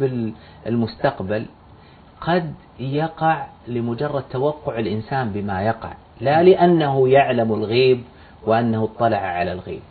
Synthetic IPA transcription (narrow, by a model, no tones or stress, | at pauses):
bɪl | ɪlmʊst̪aqbal | qɑd̪ | jɑqɑʕlɪmʊd͡ʒɑrˤːɑd̪̚t̪ːawɑqːʊʕɪlʔɪnsaːnbɪmajɑqɑ̰ʕ | lalɪʔanːaɦʊjaʕlamɪlɣiːb | wɪʔanːahʊt̪ˤːɑlɑʕaʕalalɣḭːb̚